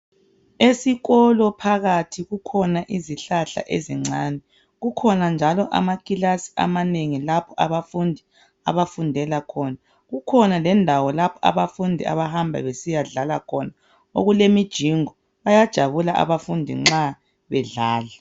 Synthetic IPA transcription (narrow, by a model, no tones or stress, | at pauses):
esiɣɔlɔpʰaɣatʰiɣukʰɔnaʔiziɬaɬa̰ʔḛziŋ͡ǀaːnɛ | ɣukʰɔnand͡ʒʱalɔʔa̰makʼilasi̥a̰maneŋilapʰɔʔaβafundʱi | a̰βafundʱɛlakʰɔna | ɣukʰɔnalɛndʱawɔlapʰɔa̰βafundʱia̰βaɦambʱa̰βesijaɮalakʰɔna | o̰ɣulemid̥ʒ̥ʱiŋɔ | βajad̥ʒ̥ʱaβulaʔa̰βafundʱḭŋ͡ǁa | βɛɮaːla